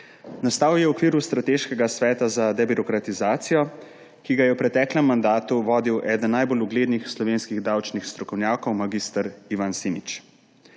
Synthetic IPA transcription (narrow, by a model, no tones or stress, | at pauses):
nast̪aːwjɛwɔkʋiːɾust̪ɾat̪eːʃkɛɡasʋɛːt̪azad̪ɛbiɾɔkɾat̪izaːt̪sijɔ | kiɡajɛwpɾɛt̪ɛːklɛmːand̪aːt̪uʋɔːd̪iwʔɛːd̪ənːajboluɡleːd̪nixslɔʋeːnskiɣd̪awt͡ʃnixst̪ɾɔkɔwnjaːkɔwmaɡist̪aɾiʋansimit͡ʃ